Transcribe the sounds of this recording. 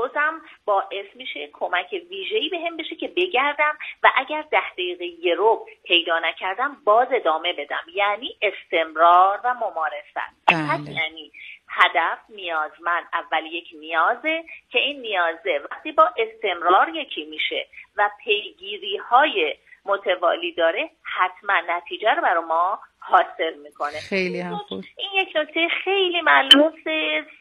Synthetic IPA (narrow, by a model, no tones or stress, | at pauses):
ozæmbɒːʔe̞smiːʃe̞kʰo̞mæcʰe̞viːʒe̞iːbe̞ɦembeʃe̞cʰe̞be̞ɟæɾd̪æmvæʔæɟæɾd̪æhd̪eiːɣeje̞ɾob̚pʰe̞jd̪ɒːnæcʰæɾd̪æmbɒːze̞d̪ɒːme̞be̞d̪æ̰mjæːniːʔe̞st̪e̞mɾɒːɾvæmomɒːɾe̞sæ̰npʰæsjæniːhæd̪æfnijɒːzmænd̪ævːælje̞cʰnijɒːze̞cʰe̞iːnːijɒːzevæχt̪iːbɒːʔe̞st̪e̞mɾɒːɾje̞cʰiːmiːʃe̞̰væpʰe̞jɡiːɾiːhɒːjemot̪ʰe̞vɒ̰ːliːd̪ɒːɾe̞hæt̪ʰmænːæt̪ʰiːd͡ʒæɾobæɾɔmɒːhɒːse̞lmiːkʰo̞ne̞oʔinje̞cno̞cʰt̪ʰejexe̞jliːmælumːses